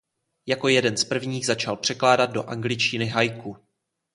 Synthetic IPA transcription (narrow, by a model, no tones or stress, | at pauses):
jako̞jɛdɛnspr̩vɲiːɣzat͡ʃalpr̝̥ɛklaːdat̪̚do̞̰ʔaŋɡlɪt͡ʃcɪnɪɦajku